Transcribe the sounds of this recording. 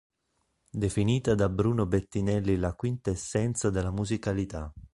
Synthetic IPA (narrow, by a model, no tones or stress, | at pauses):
d̪efiniːt̪ad̪abɾuːnobet̪ːinɛlːilakwint̪aesːɛnt̪sad̪elamuzikalit̪a